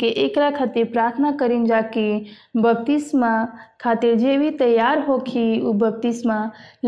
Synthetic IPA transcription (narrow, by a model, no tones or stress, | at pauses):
eʔeːkɾakʰat̪iɾpɾaːɾt̪ʰənakəɾind͡ʒaːki | bəp̚t̪ismakʰaːt̪iɾd͡ʒeːbʱit̪əjːaːɾɦokʰiubəp̚t̪ismal